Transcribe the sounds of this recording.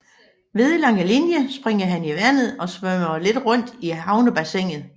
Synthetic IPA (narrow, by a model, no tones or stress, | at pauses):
ʋe̝ðˠilɑ̈ŋ̰əlinjəsb̥ʁeŋ̰ɐɦæniʋæn̰ð̞̩ˠɒ̽sʋœmɐle̝d̥ʁɔ̽n̰d̥ihɑ̈ʊnəb̥æseŋ̰ð̩ˠ